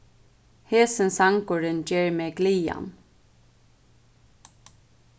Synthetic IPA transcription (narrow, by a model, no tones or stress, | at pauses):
heːsənsɑŋkʊɖənd͡ʒeːɹmeːɡliːɑ̰n